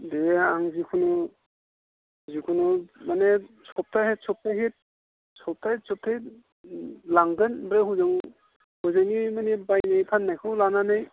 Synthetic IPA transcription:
deaŋzikʰunu | zikʰunumanesɔp̚tʰahet̚sɔp̚tʰaɦit̚ | sɔp̚tʰajt̚sʰɔp̚tʰaj | laŋɡɯnbɾehuzɯŋ | hɔzɯŋimanebajnajpʰanːajkʰɯwlananɯj

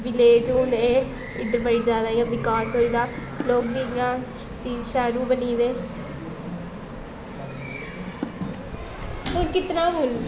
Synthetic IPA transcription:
ʋɪleːd͡ʒuːneː | ɪd̪əɾbəɪʈd͡ʒaːd̪aːijãːʋɪkaːsoːiːd̪aː | loːɡʋiːjãː | siːʃaːɾuːbəniːʋeː | onkɪt̪nãːbol

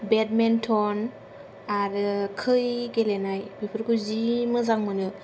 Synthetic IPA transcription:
bet̚mentʰɔn | aɾɯkʰɯjɡelenajbipʰɯɾkʰuzimɯzaŋmɯnɯ

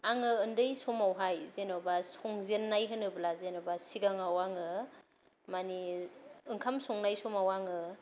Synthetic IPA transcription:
aŋɯɯndɯjsomawɦajzenobasɔŋzenːajɦɯnɯblazenɔbasiɡaŋawaŋɯ | maniɯŋkʰamsɔŋnajsɔmawaŋɯ

